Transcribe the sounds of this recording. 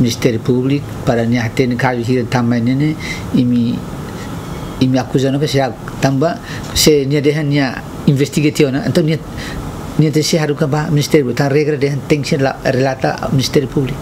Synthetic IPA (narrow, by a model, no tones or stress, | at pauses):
ministeɾipublik̚ | paɾaniahatenkaβiɦiɾetamajnene | imi | miakuzanokasea | taŋba | seniadeɦanːia | investiɡetionaḛntonia | niateseɦaɾukabaministeɾipliktaɾeɡɾadehanteŋsenlaɾelata̰ministeɾipublik